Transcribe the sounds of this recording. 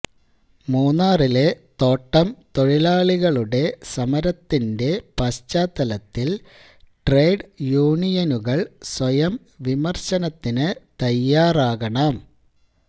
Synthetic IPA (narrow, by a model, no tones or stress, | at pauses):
muːnːaːrile̞t̪o̞ːʈːɐmt̪o̞ɻilaːɭiɣɐɭuɽe̞sɐmɐɾɐt̪ːinde̞pɐst͡ɕaːt̪ːɐlɐt̪ːil | ʈreːɖjuːɳijɐnuɣɐɭswɐjɐm | ʋimɐrɕɐnɐt̪ːinɨt̪ɐjːaːraːɣɐɳɐm